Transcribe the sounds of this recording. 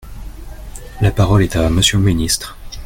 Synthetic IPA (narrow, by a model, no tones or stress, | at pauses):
lapaʁɔlɛt̪aməsjølminist̪χ